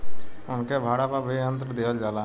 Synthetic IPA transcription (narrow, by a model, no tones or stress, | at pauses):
ʊnkebʱaːɽapabʱiə̃nt̪ɾəd̪eːʋəld͡ʒaːla